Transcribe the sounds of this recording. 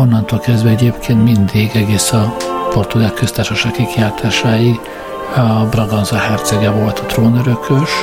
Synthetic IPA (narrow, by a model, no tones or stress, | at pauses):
o̞nːɒnt̪oːlkɛzd̪vɛɛɟeːpkʰeːnt̪mind̪iɡɛɡeːsɒpo̞rt̪uɡaːlkøst̪aːrʃɒʃaːkːikjaːt̪ʰaːʃaːji | brɒɡɒnzɒhɛrt̪sɛɡɛvolt̪ɒt̪roːnøɾøkʰøʃ